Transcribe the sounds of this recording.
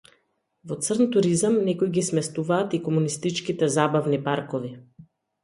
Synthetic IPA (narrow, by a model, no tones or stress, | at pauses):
vɔt̪sərnt̪uɾizamnɛkojɡismɛst̪uvaːt̪ikɔmunist̪it͡ʃkit̪ɛzabavnipaɾkɔvi